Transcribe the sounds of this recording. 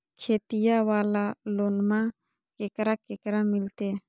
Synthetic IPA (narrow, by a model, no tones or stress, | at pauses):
kʰeːt̪ijawaːlaloːnmã | keːkɾakekɾamɪlt̪eː